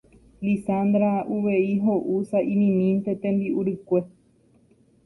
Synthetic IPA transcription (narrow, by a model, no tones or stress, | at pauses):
lisãnd̪ɾauʋe̞iɦoʔusaʔinĩmĩnt̪et̪ẽmbiuɾɨkʷe̞